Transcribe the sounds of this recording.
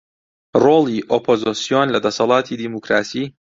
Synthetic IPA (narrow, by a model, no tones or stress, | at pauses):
ɾoliʔopʰozɔsiɔnlʲad̪ɐsɐlˠaːt̪ʰid̪imukɾaːsi